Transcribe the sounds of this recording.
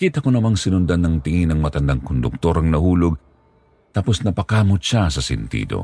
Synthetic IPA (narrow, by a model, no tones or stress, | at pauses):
kiːt̪ɐkonɐmaŋsɪnʊnd̪anːɐŋt̪ɪŋinɐŋmɐt̪ɐnd̪aŋkond̪ʊk̚t̪o̞ɾɐŋnɐhuːloɡ̚ | t̪aposnɐpɐkaːmot̪̚ʃasɐsɛ̰nt̪ḭːd̪o̞̰